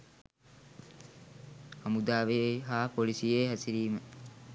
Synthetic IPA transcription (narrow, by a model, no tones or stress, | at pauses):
ɐmud̪aːʋeɦaːpolisijeːɦæsiɾiːmə